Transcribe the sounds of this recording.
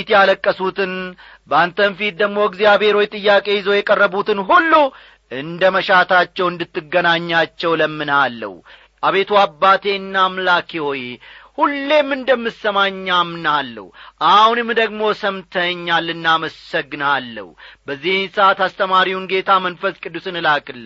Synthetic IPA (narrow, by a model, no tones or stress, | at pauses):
t̪jaləkʼːəsut̪ɨn | bəant̪ʰənfit̪̚d̪əɡmo̞ɪɡzijabhe̞ɾo̞jt̪ʼɨjːakʼe̞jɪzo̞jɛkʼərːəbut̪ʰɨnɦulːu | ɨnd̪əməʃat̪ʰat͡ʃːɛwɨnd̪ɨt̪ːɨɡːənaɲːat͡ʃːɛwləmːɨnalːə̰w | ʔaβe̞t̪ʰuabːat̪ʰe̞nːamlakʰiwojhulːe̞mːɨnd̪əmːɨsəmaɲːamnalːə̰wʔahunɨmːd̪əɡmo̞səmt̪ʰəɲːalːɨnːaməsəɡɨnalːə̰wubəzːihsat̪ast̪ʰəmaɾiwunɡe̞t̪ʰamənfəskʼɨd̪ːusɨnɨlakʼɨl